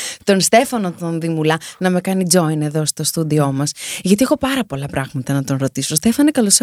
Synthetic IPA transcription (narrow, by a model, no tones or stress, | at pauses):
t̪o̞nst̪e̞fɐno̞t̪o̞nðimulɐnɐme̞kɐnid͡zo̞ine̞ðo̞st̪o̞st̪ud̪io̞mɐsʝɐt̪iexo̞pɐɾɐpo̞lɐpɾɐɣmɐt̪ɐnɐt̪o̞nɾo̞t̪isost̪e̞fɐnekɐlos